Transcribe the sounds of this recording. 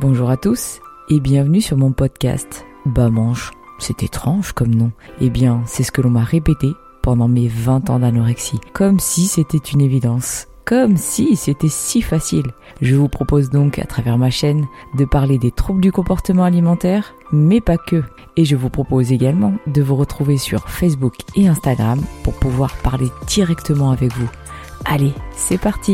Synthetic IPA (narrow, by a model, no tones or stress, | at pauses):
bɔ̃ʒuʁat̪us | ebjɛ̃vnysyʁmɔ̃pɔd̪kʲa̰st̪ | bamɑ̃ʃsɛt̪et̪χɑ̃ʒkɔmnɔ̃ebjɛ̃sɛsə̥kəlɔ̃maʁepet̪e | pɑ̃d̪ɑ̃mevɛ̃t̪ɑ̰̃d̪anɔʁɛksikɔmsiset̪ɛt̪ynevid̪ɑ̃s | kɔmsiset̪ɛsifasil | ʒəvupχɔpozd̪ɔ̃ka̰t̪χavɛʁmaʃɛnd̪əpaʁled̪et̪χubld̪ykɔ̃pɔʁt̪əmɑ̃alimɑ̃t̪ɛːʁ | mɛpakə | eʒəvupχɔpozeɡalmɑ̃d̪əvuʁət̪χuvesy̰ʁfɛs̬bukeɛ̃st̪aɡʁampṵʁpuvwaʁpaʁled̪̥iʁɛkt̪əmɑ̃avɛkvu | alesɛpaʁt̪ʰi